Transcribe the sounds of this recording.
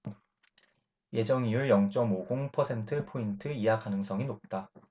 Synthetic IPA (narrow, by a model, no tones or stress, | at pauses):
je̞d͡ʑʌŋijuɭjʌŋt͡ɕ͈ʌmoɡoŋpʰʌsʰe̞ntʰɯpʰointʰɯiakanɯŋs͈ʌŋinop̚t͈a